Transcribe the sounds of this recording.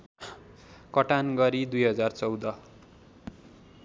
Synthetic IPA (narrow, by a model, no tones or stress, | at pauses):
kʌʈanɡʌɾid̪ujɦʌd͡zart͡sʌwd̪ʌ